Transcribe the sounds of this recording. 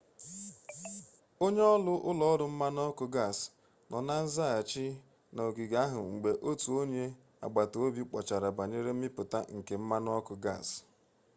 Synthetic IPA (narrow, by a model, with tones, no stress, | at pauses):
o˦ɲe˦ɔ˦lʊ˦ʔʊ˦lɔ˨ɔ˦dʊ˨m̩˦ma˦n˦ɔ˦kʊ˨ɡa˦˨s | nɔ˨na˦n̩˦za˦a˨t͡ʃi˦ | na˨o˨ɡi˨ɡa˦ɦʊ˨ŋ͡m̩˨ɡ͡be˨ʔo˦tu˨o˦ɲe˦ | a̰˨ɡ͡ba˨to˨o˦bi˦k͡pɔ˨t͡ʃa˨ɾa˨ba˨ɲe˦ɾe˦m̩˦mɪ˦pʊ˨ta̰˦ŋ̩˨ke˨m̩˦ma˦n˦ɔ˦kʊ˨ɡa̰˦˨s